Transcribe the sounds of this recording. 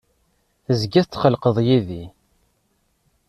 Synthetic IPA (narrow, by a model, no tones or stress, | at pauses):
θəzɡiθt͡s̪ːχəlqəðˤjiði